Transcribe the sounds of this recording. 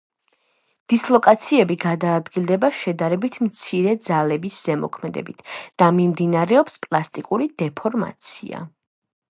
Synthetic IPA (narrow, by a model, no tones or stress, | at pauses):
d̪̥islˠɔkʼat̪sʰiɛbiɡad̪aːd̪ɡilˠd̪ɛbaʃɛd̪aɾɛbit̪ʰmt̪sʰiɾɛd̪zalɛbisz̥ɛmɔ̰kʰmɛd̪ɛ̰bit̪ʰd̪̥amimd̪inaɾɛɔpspʼlˠast̪ʼikʼuɾid̪ɛpʰɔɾma̰t̪sʰḭa̰